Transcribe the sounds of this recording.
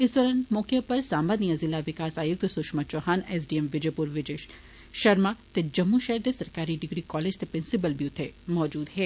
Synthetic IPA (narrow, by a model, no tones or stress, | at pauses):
ɪsd̪ɔːɾaːnmɔːkepɐɾsaːmbad̪nijazɪlːaʋɪkaːsaːjʊk̚t̪sʊʃmɐt͡ʃoːɦaːneːs̬ɖiemʋɪd͡ʒepuɾʋɪd͡ʒeːʃ | ʃɐɾmat̪ed͡ʒɐmːuʃɛɦɾd̪esɐɾkaːɾiɖɪɡɾikɔːleːd͡ʒt̪epɾɪnsɪb̬əlbiut̪ʰemɔːd͡ʒuːd̪ɦɛː